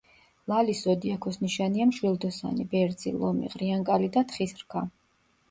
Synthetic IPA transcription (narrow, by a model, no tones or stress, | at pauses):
lˠalisɔd̪iakʰɔsniʃaniamʃwilˠd̪ɔsa̰nibɛɾd̪zḭlˠɔ̰mḭʁɾiaŋkʼalid̪at̪ʰχisɾkʰa